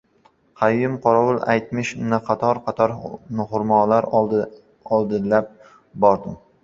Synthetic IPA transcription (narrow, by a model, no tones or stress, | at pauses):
qʰɑjːɪmqʰɒɾɒwʊlˠa̰jt̪mɪʃnɪqʰɑt̪ʰɒɾqʰɑt̪ʰɒɾnɪhʊɾmɒlaɾ | ɒlˠd̪ɪlap̚ | bɒɾd̪ɪm